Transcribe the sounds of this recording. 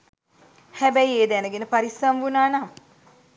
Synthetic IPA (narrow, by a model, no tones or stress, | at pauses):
hɛbɛieːd̪æːnəɡenəpaɾisamʋunaːnaŋ